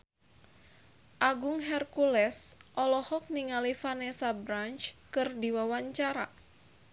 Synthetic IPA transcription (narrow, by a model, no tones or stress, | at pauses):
ʔaɡuŋɦɛrkulɛsʔɔlɔhɔk̚niŋalifanɛsabɾant͡ʃkɨrdiwawaɲt͡ʃaɾa